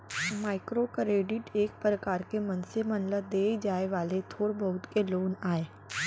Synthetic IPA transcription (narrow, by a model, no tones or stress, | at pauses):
maːɪkɾokɾeːɖɪʈeːk̚pɾəkaːɾkemɐ̃nsemɐ̃nləd̪eːd͡ʒaːeʋaːlet̪ʰoːɽbəɦʊt̪keloːnaːeː